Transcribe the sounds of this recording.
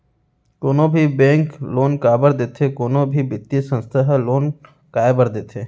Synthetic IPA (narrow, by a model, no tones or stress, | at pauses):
koːnobʱibẽːŋkloːnkaːbəɾd̪eːt̪ʰekoːnobʱibɪt̪ːisə̃nst̪ʰəɦloːn | kaːebəɾd̪eːt̪ʰeː